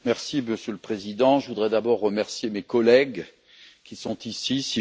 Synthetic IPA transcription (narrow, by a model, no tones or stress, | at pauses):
mɛʁsiməsjøləpχezid̪ɑ̃ʒəvud̪ʁɛd̪abɔʁːəmɛʁsjemekɔlɛɡ | kʲisɔ̃t̪isisi